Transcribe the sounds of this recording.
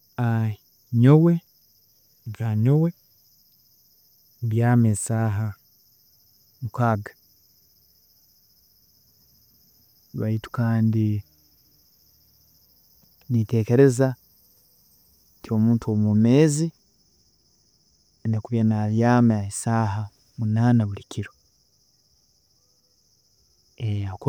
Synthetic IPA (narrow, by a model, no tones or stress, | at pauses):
a | ɲowe | βaɲowe | βjaːmesaːɦa | mukaːɡḁ | βa̰itu̥kaːndi | nite̞ːke̞ɾe̞za | tio̞ːmuːntuomumeːzi | nekuβjanaβjaːmaisaːɦa | munaːnaβulikʰiɾo | eak